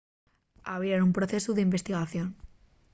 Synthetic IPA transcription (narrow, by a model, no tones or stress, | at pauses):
aβiɾanumpɾoθe̞suðeimbest̪iɣaθjon